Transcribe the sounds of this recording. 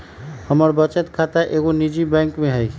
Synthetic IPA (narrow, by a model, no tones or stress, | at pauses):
həməɾbət͡ʃət̪kʰat̪aʔeːɡonid͡ʒibɛ̃ːŋkmẽɦəi